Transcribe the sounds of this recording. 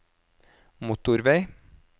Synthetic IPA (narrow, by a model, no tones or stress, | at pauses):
mʊt̪ʊɾʋeɪ